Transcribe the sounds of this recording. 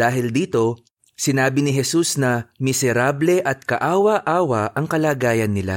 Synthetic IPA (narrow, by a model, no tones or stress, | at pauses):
d̥̪aːɦɪld̪iːt̪o̞ | sɪnaːbɪnɪɦɛsusnɐmɪsɛɾablɛʔɐt̪̚kɐʔaːwɐʔaːwɐʔɐŋkɐlaːɡaːjɐnːɪla̰